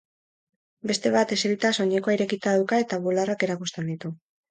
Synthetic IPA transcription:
be̞st̪e̞β̞at̪e̞seɾit̪aso̞ɲeko̞aiɾe̞kit̪aðawkae̞t̪aβularake̞ɾakust̪e̞nd̪it̪u

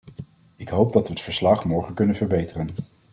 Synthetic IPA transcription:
ɪkɦowp̚dɑtʋəːtfəɹslɑχmɔɹχənkɵnənvəɹbejtərən

